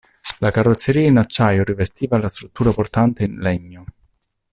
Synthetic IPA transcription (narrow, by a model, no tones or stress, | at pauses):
lakarːot̪sːeɾiːainat͡ʃːaːjoɾivest̪iːvalast̪ɾut̪ːuːɾaport̪ant̪einlɛɲːo